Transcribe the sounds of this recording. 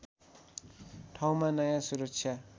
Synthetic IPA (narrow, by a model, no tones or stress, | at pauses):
tʰawmanajasuɾuksʰja